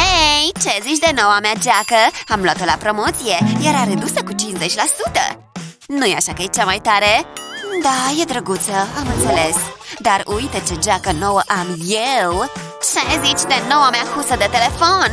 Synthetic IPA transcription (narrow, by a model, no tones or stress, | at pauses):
ejt͡ʃezit͡ʃʲd̪enowamead͡ʒakəamlwat̪olapɾo̞mo̞t̪sije̞jaɾaɾed̪usəkut͡ʃinzet͡ʃʲlasut̪ə̰ | nujaʃakəjet͡ʃamajt̪aɾed̪aje̞d̪ɾəɡut̪səamɨnt̪sele̞sd̪aɾujt̪ət͡ʃed͡ʒakəno̞wəʔamjew | t͡ʃezit͡ʃʲd̪enowameakusəd̪et̪ele̞fo̞n